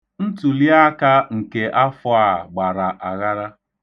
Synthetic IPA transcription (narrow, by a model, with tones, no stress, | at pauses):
n̩˦tu˨li˦a˦ka˦ŋ̩˨ke˨ʔa˦fʊ˦a˦˨ɡ͡ba˨ɾa˨ʔa˨ɣa˦ɾa˦